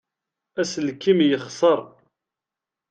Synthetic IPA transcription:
æsəlkːimjəχsˤəɾˤ

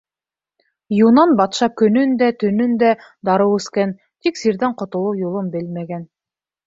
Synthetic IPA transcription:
junɑnbɑt̪ʃɑkɵ̆nɵnd̪æt̪ɵ̆nɵnd̪æd̪ɑɾɤwɵ̆skæn | t̪iksiɾðæɴqŏt̪ŏlˠɤwjulˠɤmbɘlmæɡæn

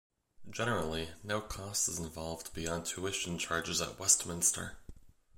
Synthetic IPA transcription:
d̥d͡ʒɛnə˞l̩ˠinoʊkʰɔstɨzə̃ɱvɑlˠvdbiɑ̃ntʰʉɪʃnt͡ʃʰɑɹd͡ʒɨzə̰ʔ̚wɛstmɪ̃nstʰə̰˞

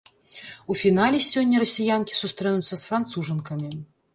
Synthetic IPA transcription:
ufʲinalʲɛsʲɔnʲːɐɾɐsʲijankʲi̥sust̪ɾɛnut̪sːɐsfɾant̪suʐɐnkɐmʲi

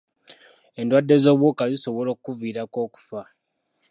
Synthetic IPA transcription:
e̞ndwadːe̞zo̞ːβwukaziso̞βo̞lo̞ːkkːuviːɾako̞ːku̥fa

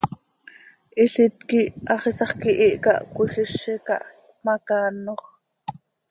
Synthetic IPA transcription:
ʔiɬit̪kiʔɑχisɑχkiʔiʔkɑ̰ʔkuɬiʃːikɑ̰ʔ | mɑkɑːnoχ

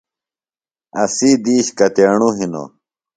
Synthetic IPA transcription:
ɐsid̪iːɕkɐt̪eːɳuɦino̰

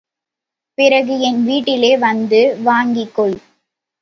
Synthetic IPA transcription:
pɪɾɐɣɯɛnʋiːʈːɪleːʋɐnd̪ɯʋaːŋɡɪkːɔɭ

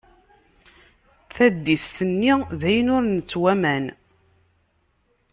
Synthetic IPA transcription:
θæd̪ːist̪ənːiðæjənʊɾnət͡sːwæmæn

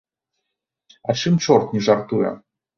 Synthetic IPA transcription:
ɐt͡ʂɨmt͡ʂɔrt̪nʲɛʐart̪ujɛ̰

